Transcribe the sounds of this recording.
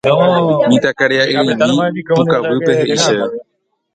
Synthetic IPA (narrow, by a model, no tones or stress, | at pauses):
mĩt̪akaɾeaʔiɾĩnĩukawɨpe̞ɦeʔiʃee